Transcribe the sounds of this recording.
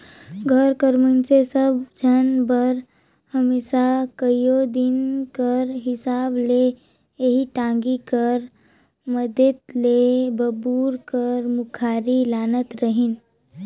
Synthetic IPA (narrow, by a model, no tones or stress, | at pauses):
ɡʱəɾkəɾmənsesəbd͡ʒʱənbəɾ | həmeːsakəijod̪inkəɾɦɪsaːble | eɦiʈãŋɡikəɾ | məd̪et̪lebəbuɾkəɾmukʰaɾilaːnət̪ɾəɦin